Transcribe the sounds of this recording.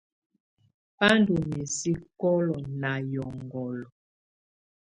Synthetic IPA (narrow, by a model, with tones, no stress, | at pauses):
pa˦ndu˨mi˨si˦kɔ˦lɔ˨na˨jɔ˨ŋɡɔ˨lɔ˨